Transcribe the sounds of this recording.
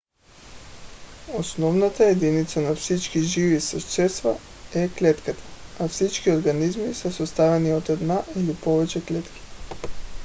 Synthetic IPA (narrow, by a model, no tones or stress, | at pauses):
osnɔvnat̪aed̪init̪sanafsit͡ʃkiʒivisɔʃt͡ʃ̪ɛsva | ɛklɛt̪kat̪ʰḁafsit͡ʃkioɾɡanizmisɛsost̪avɛniot̪ɛd̪naʔilipovɛt͡ʃɛklɛt̪ki̥